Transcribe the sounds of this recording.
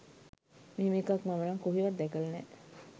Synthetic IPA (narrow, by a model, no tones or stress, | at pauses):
miːmikɐkmamənɐŋkuɦiʋɐd̪ːɛkəlnɛ